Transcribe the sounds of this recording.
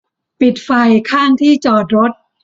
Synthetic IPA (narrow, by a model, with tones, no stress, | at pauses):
pi˨˩t̪̚fa˧jkʰaː˥˩ŋt̪ʰiː˥˩t͡ɕɔː˨˩t̪̚ɾo˦˥t̪̚